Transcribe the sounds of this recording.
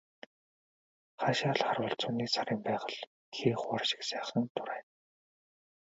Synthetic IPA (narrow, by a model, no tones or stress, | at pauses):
χaːʃːaɮχarwə̆ːɬt͡sʊːniːsaɾiːmpæːʁə̆ɮ | xeːχarʃɪ̥̆ksæːχə̆nt̪ʰʊɾæːn